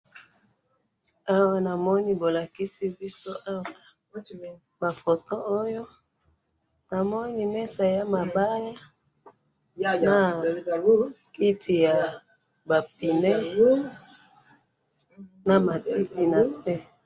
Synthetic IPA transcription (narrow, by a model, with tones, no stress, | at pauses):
a˦wa˦na˨mɔ˦ni˦bo˨la˨ki˦si˦bi˦so˦ʔa˦wa˨ | ba˨fo˨to˦o˦jo˦ | na˨mɔ˦ni˦mɛ˦sa˨ja˦ma˨ba˦ja˦˨ | na˨ | ki˦tʰi˨ja˨ | ba˨p̚i˨nɛ˦ | na˨ma˨ti˦ti˨na˨sɛ˦